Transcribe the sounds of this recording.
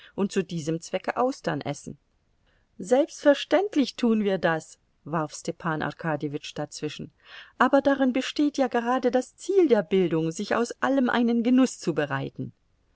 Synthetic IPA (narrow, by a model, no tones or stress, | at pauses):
ʔʊnt̚t͡sudiːzəmt͡sv̥ɛkəʔaʊsd̥ɐnʔɛ̰sn̩ | zɛlpstfɛɐʃtɛntlɪçtʰuːənviːɐdas | vaʁfstɛpʰaːnʔa̰ʁkʰaːdjivɪt͡ʃd̥at͡sv̥ɪʃn̩ | ʔaːbɐdaʁɪnbəʃteːtjaːɡəʁaːdədast͡siːldeːɐbɪldʊŋzɪça̰ʊsʔaləmʔa̰ɪnənɡənʊst͡subəʁaɪtn̩